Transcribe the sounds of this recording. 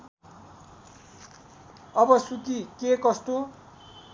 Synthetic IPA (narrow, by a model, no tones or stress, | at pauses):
ʌbʌsukikekʌst̪o